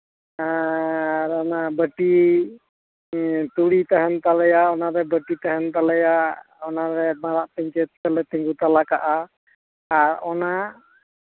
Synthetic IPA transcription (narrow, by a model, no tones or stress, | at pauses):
a | ɾɔnabəʈi | t̪uɽit̪aɦɛnt̪alɛjaɔnaɾɛbəʈit̪aɦɛnt̪alɛjaʔʔ | ɔnaɾɛmaɾaʔt̪ɛɲt͡ʃɛt̪̚kəlɛt̪ɛŋɡut̪alakaʔaː | ɾɔna